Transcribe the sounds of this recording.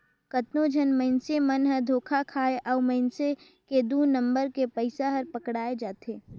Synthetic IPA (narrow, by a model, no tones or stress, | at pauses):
kɐt̪nod͡ʒʱənməɪnsemɐnɦəɾd̪ʱoːkʰakʰaːeʔɔːməɪnse | ked̪uːnə̃mbəɾkepəɪsaɦɐɾpəkɽaːed͡ʒaːt̪eː